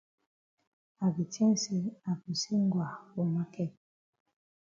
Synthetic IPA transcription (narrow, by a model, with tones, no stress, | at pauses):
a˨ki˨tɛ̃˦n˨si˦a˨ki˨si˦ŋ˦ɡwa˨wo˨ma˦kɛ˦˨